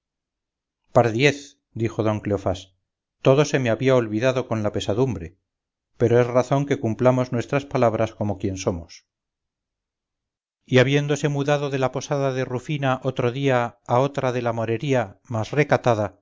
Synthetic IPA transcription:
paɾðje̞θ | d̪ixo̞ðo̞ŋkleofas | t̪o̞ðo̞se̞meaβiaolβiðaðo̞ko̞nlape̞saðumbɾe̞ | pe̞ɾoe̞zraθo̞ŋke̞kumplamo̞znwe̞st̪ɾaspalaβɾasko̞mo̞kje̞nso̞mos | iaβje̞nd̪o̞se̞muðaðo̞ðe̞lapo̞saðaðe̞rufinaʔot̪ɾoðiaːo̞t̪ɾaðe̞lamo̞ɾe̞ɾiamasre̞kat̪aða

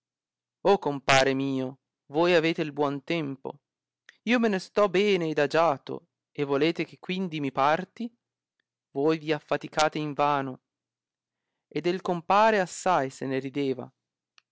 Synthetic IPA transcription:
okːompaːɾemiːo | voːjaveːt̪eilbwɔnt̪ɛmpo̰ | iːomenest̪ɔbɛːneːd̪ad͡ʒaːt̪o̰ | evːoleːt̪ek̟ekːwind̪imipart̪i | voːjviafːat̪ikaːt̪eiɱvaːno | ed̪elkompaːɾeasːajseneɾid̪eːva̰

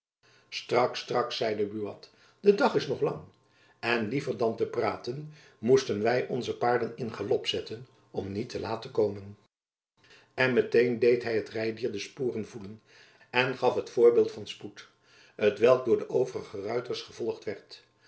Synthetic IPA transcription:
strɑkstrɑksɛjdəbyɑt | d̥ədɑχɪsnɔχlɑ̰ŋ | ɛnlivəɹdɑntəpraːtən | mustənʋɛjʔɔnzəpaːɹdənɪnχəlɔpsɛtən | ɔmnitʰəlaːtəkowmən | ɛnmətejndejtɦɛjɦətrɛjdiːɹdəspuːrənvulən | ɛnχɑfɦətfʊːɹbɪːlˠtfɑnsput | ɦətʋɛlˠɡ̚dʊːɹdəʔowvərəχərœɥtəɹsχəv̥ɔlˠχtʋɛɹt

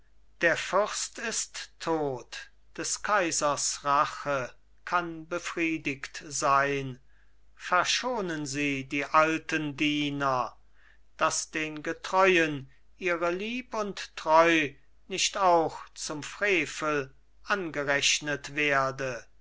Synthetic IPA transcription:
d̥eːɐfʏʁstɪstʰːoːt | d̥ɛskʰaɪzɐsʁaχə | kʰanbəfʁ̥iːdɪktzaɪn | fɛɐʃoːnənziːdiːʔaltəndiːnɐ | d̥asd̥eːnɡətʁ̥ɔʏən | ʔiːʁəliːpʊntːʁ̥ɔʏ | nɪʃtaʊxt͡sʊmfʁ̥eːfəl | ʔanɡəʁɛɕnətv̥eːɐdə

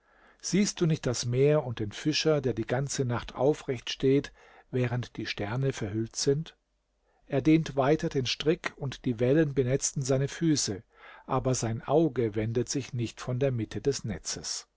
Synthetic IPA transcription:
z̥iːst̚d̥uːnɪçt̚d̥asmeːɐʊnt̚d̥eːnfɪʃɐdeːɐdiːɡant͡sənaχtʰʔa̰ʊfʁɛçtʃteːt | vɛːʁ̞əntd̥iːʃtɛɐnəfɛɐɦʏltz̥ɪnt | ʔeːɐdeːntv̥aɪtʰɐdeːnʃtʁ̥ɪkʊntd̥iːvɛlənbənɛt͡stn̩zaɪnəfyːsə | ʔaːbɐzaɪnʔaʊɡəvɛndətz̥ɪçnɪçtfɔndeːɐmɪtʰədɛsnɛ̰t͡səs

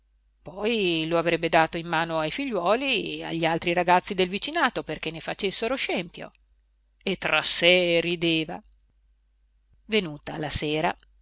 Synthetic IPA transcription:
pɔjloavɾɛbːed̪aːt̪oimːaːnoajfiʎːwɔːliea̰ʎːialt̪ɾiɾaɡat̪sːid̪elvit͡ʃinaːt̪operk̟enːefat͡ʃesːeɾoʃɛmpjo̰ | et̪ːɾasːerid̪eːva | venuːt̪alaseːɾa

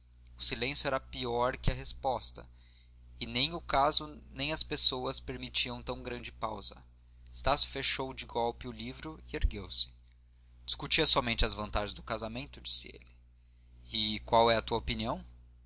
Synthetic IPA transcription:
ʊsilẽsjʊɛɾɐpiɔɾkɪɐɦespɔst̪ɐ | ɪnẽj̃ʊkazʊnẽj̃ɐspesowɐspeɾmit͡ʃiɐ̃w̃t̪ɐ̃w̃ɡɾɐ̃nd͡ʒɪpa̰wzɐ̰ | ɪst̪asʊ̥feʃowd͡ʒɪɡɔwpɪʊlivɾʊɪeɾɡewsɪ̥ | d͡ʒi̥skut͡ʃiɐsɔmẽnt͡ʃɪɐzvɐ̃nt̪aʒɪ̃zd̪ʊkazamẽnt̪ʊd͡ʒi̥sɪḛlɪ | ɪkwawɛɐt̪uɐopiniɐ̃w̃

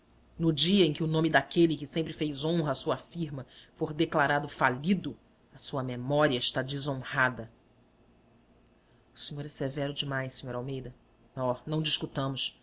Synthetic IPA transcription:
nʊd͡ʒiɐẽj̃kɪʊnõmɪd̪akelɪkɪsẽmpɾɪfejzõɦɐaːsuɐafiɾmɐfoɾd̪eklaɾad̪ʊfalid̪ʊ | ɐsuɐmemɔɾiɐɪʃt̪ad͡ʒɪzõhad̪ɐ | ʊsiɲoɾɛsevɛɾʊd͡ʒɪmajʃssẽɲoɾawmejd̪ɐ | nɔnɐ̃w̃d͡ʒɪʃkut̪ɐ̃mʊs

